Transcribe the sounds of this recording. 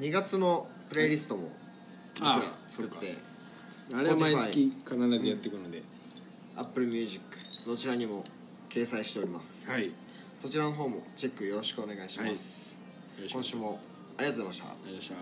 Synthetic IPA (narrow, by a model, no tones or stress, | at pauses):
ɲ̟iɡat͡sɨno̞pɯ̟ɾeiɾʲisɨ̥t̪o̞mo̞̰ | iɯɾa̰t͡sɨ̥kɯ̟t̪ːe̞̰ | aɾeaiaɨikʲikanaɾazɨjat̪ːekɯ̟nod̪e̞ | a̰pːɯ̟ɾɯ̟mʲɨːʑikːɯ̥no̞t͡ɕiɾaɲ̟imo̞ | ke̞ːsaiɕi̥t̪e̞o̞ɾʲimasɨ̥ | so̞t͡ɕiɾano̞ɦo̞ːmo̞̰t͡ɕe̞kːɯ̟jo̞ɾo̞ɕi̥kɯo̞ne̞ɡaiɕimasɨ̥ | kõɕɨːmo̞ | aɾʲiɡat̪oemaɕt̪a̰